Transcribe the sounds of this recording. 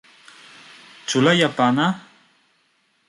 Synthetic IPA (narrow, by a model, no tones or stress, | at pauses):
t͡ʃʊlajapana